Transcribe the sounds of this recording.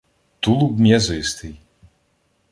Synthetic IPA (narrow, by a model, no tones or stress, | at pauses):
t̪ulˠubmʲɛzɔjst̪iː